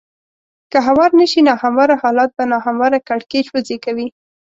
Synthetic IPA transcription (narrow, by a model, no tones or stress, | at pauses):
kəɦawɑɾnəʃinɑhamaɾahɑlɑt̪̚banɑxamwaɾakaɽket͡ʃwozekawi